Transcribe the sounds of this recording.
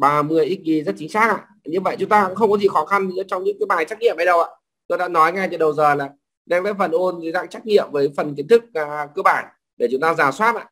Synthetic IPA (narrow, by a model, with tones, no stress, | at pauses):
ɓaː˨˩mɨ˨˩əjʔi˦˥t̚ki˨˦zə˦˥t̚t͡ɕï˨˦ŋ̟saː˦˥k̚ʔa̰ː˧˨ | ɲɨ˧və̰˧˨jt͡ɕʊ˨˦ŋ͡mt̪aː˧kxə˧wŋ͡mkɔ˨˦zḭ˧˨˩xɔ˨˦xa˧n˨˧˦t͡ɕɔ˧wŋ͡mɲɨ̰˧˥ŋkəː˧ɓaː˨˩nt͡ɕa˦˥k̚ɲḭ˧əmha˧jɗə˨˩wʔa̰ː˧˨ | t̪ɗa̰ː˧˥nɔ˨˦jŋa˧˩jt͡ɕə˧˩ɗə˨˩wzəː˨˩laː˨˩ | ɗa˧ŋla̰ː˧˥jfə˨˩nʔo˧n˨˦za̰ː˧˨ŋt͡ɕa˦˥k̚ɲḭ˧˨əmvəː˨˦jfə˨˩nk̬i˨˦ənt̪ʰɨ˦˥k̚ːkəː˧ɓaː˧˩n | ɗe˧˩t͡ɕʊ˨˦ŋ͡mt̪aː˧zaː˨˩swaː˦˥t̚ʔa̰ː˧˨